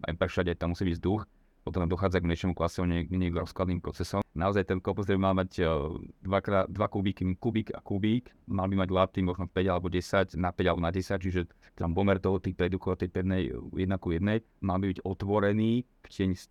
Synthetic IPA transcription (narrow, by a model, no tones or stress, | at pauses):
a̰jpɾɛʃaɟajt̪amːusiːbiɟzd̪ux | pɔt̪ɔmd̪ɔxaːd͡zaɡmɛʃɛmuklasɔmuɲɛɲɛɡɾɔsklad̪niːmpɾɔt͡sɛsɔmnaɔzajt̪ɛnkɔpzɾɛbimalmaɟd̪ʋakɾaːd̪ʋakubikikubiːɡa̰kubiːkmalbimaɟlat̪imɔʒnɔfpɛɟalɛbɔɟɛsacnapɛɟalɛbɔnaɟɛsac̚t͡ʃiʒɛ | t̪ampɔmɛɾt̪ɔɦɔt̪iːpɾɛd̪ukɔat̪ɛjpɾɛd̪nɛjjɛd̪nakɔjɛd̪nɛj | malbibiɟɔt̪ʋɔɾɛniː | fcɪɛɲs